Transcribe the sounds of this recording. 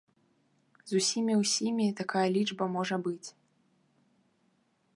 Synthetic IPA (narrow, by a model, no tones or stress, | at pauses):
zusʲimʲiwsʲimʲit̪akajɐlʲid͡ʐbɐmɔʐɐbɨt͡sʲ